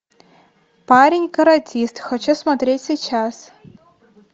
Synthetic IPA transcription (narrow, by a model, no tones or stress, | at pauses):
paɾʲɪnʲkɐɾɐtʲʰist̪xɐt͡ɕɛsmɐt̪ɾʲetʲsʲit͡ɕas